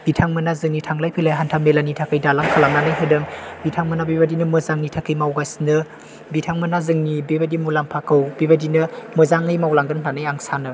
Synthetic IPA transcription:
b̥itʰaŋmɯnazɯŋnitʰaŋlajpʰilajɦantʰamelanitʰakɯjdalaŋkʰalaŋnanajɦɯdɯŋbitʰaŋmɯnabibadinɯmɯzaŋnitʰakɯjmawɡasnɯ | bitʰaŋmɯnazɯŋnibebadimulaŋpʰakʰɯwbibadinɐmɯzaŋɯjmawlaŋɡɯntanajaŋsanɯ

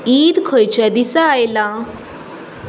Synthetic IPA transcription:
iːd̪kʰojt͡ɕad̪isaːjlã

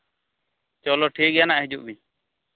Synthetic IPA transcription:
t͡ʃɔlɔʈʰik̚janaʔɦid͡ʒuʔbi

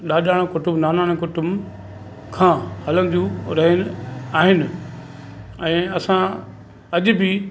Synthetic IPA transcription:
ɗaːɗaːɽ̃kʊʈʊmnaːnaːɽ̃kʊʈʊm | kʰãːhɐlənɪ̆d͡ʑũɾɐɦɪnɪ̆aːɦɪnɪ̆ | ɛ̃ːɐsã | ɐʄbɪ

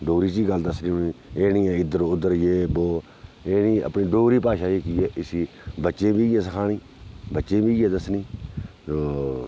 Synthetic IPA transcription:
ɖoːɾiːt͡ʃiːɡəld̪əsniːiːeːnĩːɛ̃ːɪd̪əɾʊd̪əɾjeːboː | eːniːə̰pniːɖoːɾiːpaːʃaːiːkiːeːʔɪsiː | bətːʃẽːbiːjẽːsəkʰaːniː | bətːʃẽːbiːjeːd̪əsniːsoː

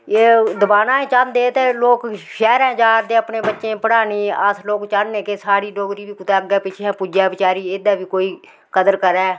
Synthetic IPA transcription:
eːd̪əbaːnaːẽːt͡ʃãnd̪eːt̪eːloːkʃɛːɾɛ̃ːd͡ʒaːɾd̪eːəpneːbətːʃẽːpəɽaːniːəsloːkt͡ʃaɽneːkeːsaːɽiːɖoːɡɾiːʋiːkʊt̪ɛːɡɛːpɪt͡ʃʰɛ̃ːpud͡ʒaːbɪt͡ʃaːɾiːɪd̪aːbiːkoːiː | kəd̪əɾkəɾɛː

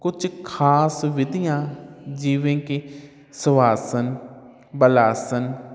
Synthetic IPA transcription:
kʊt͡ʃkʰaːsʋɪd̪ɪjãːd͡ʒiːʋẽːki | sʊʋaːsən | bəlaːsən

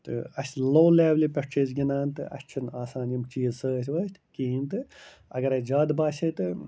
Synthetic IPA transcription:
t̪ɨ̰ɐsʲloːleːʋlipʲɐʂʈʰeːsɡʲinaːnt̪ɨ̰ʔɐ̰sʲt͡ʃʰinaːsaːnjɐmt͡ʃiːzsəːsʰʲʋɐːst̪ʰkiːnt̪ɨ | ɐ̰ɡɐɾɐd͡ʒaːd̪baːsʲit̪ɨ

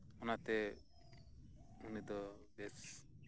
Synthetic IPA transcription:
ɔnat̪ɛ | unid̪ɔbɛs

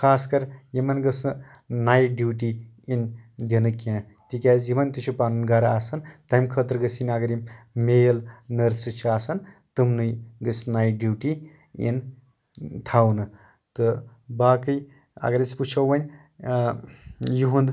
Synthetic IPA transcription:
kʰaːskɐɾjimɐnɡɐsɨ | naːjɖjuːʈi | ind̪ʲinɨkãː | t̪ikʲazimɐnʲt̪ut͡ʃʰupaːnunɡaɾaːsɐnt̪amʲkʰət̪ɾɡəsinʲɐɡɐɾimejlnɐɾsɨt͡ʃʰaːsɐnt̪ɨmnɨjɡəsnajɖjuːʈi | ḭn | t̪ʰawnɨ | t̪ɨbaːkɨj | ɐ̰ɡɐɾʲit͡sʰput͡ʃʰɐwʋɐnʲ | jiɦũnd̪

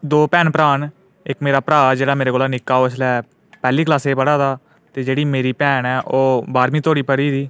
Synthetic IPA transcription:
d̪oːpɛːnpəɾaːn | ɪkmeːɾaːpɾaːd͡ʒeːɽaːmeːɾeːkoːlaːnɪkːaːoːɪslɛː | pɛːliːklaːseːbəɽaːd̪aː | t̪eːd͡ʒeːɽiːmeːɾiːpɛːnɛːʔoːbaːɾmĩːt̪ʰoːɽiːpəɽiːd̪iː

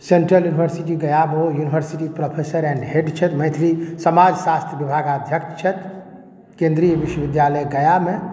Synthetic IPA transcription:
seɳʈɾəljunibʱəɾsiʈiɡəjabojunibʱəɾsiʈipɾopʰesəɾɛ̃ɳɖɦeɖt͡ʃʰɛt̪mə̃jt̪ʰɾisəmad͡ʒsast̪ʰjəbibʱaɡad̪ʱjəkt͡ʃt͡ʃʰɛt̪ | kẽnd̪ɾijəbiʃwəbid̪jaləjɡəjame

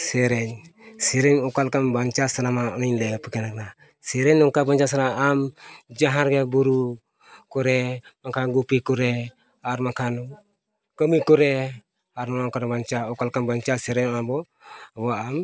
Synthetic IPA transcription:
seɾeɲseɾeɲukalkanbant͡ʃasanamaninlepəkenakna | seɾeɲːuŋkabant͡ʃas̬anaamd͡ʒaɦaɾɡabuɾu | kuɾemakanɡupikuɾe | aɾmakan | kəmikuɾe | aɾmanakanabant͡ʃaukalkanbant͡ʃaseɾennabo | aboam

